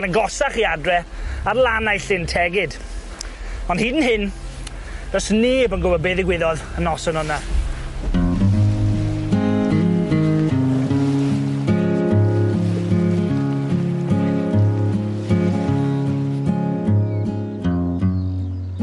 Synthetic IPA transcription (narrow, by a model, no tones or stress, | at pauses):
nənɡɔsaχiadrɛarlˠanajɬɪntʰɛɡɪd | ɔnd̥hiːdn̩ɦɪn | d̥ɔsneːbənɡʊwɔbeðɪɡwɪðɔðənɔsənɔna